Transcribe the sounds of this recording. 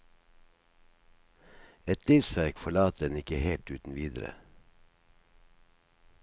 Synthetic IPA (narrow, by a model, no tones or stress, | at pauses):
ɛt̪liːʋsʋæɾkfɔɭɑːt̪̚d̪ɛnɪkəheːlt̪ʉːt̪n̩ʋiːd̪ɾə̰